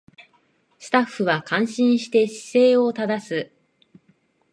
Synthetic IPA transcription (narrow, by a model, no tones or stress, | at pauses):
sɨ̥t̪aɸːɯ̟βakãɰ̃ɕĩɰ̃ɕi̥t̪e̞ɕi̥se̞ːo̞t̪ad̪asɨ